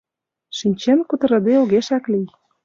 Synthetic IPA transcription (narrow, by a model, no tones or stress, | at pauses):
ʃinʲt͡ɕenkut̪ɤ̆ɾɤ̆d̪eoɣeʃæklij